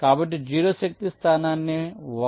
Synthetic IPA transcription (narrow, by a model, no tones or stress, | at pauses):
kaːbɐʈd͡ʒiːɾosɐk̚t̪ist̪ʰaːnanːeʋɐ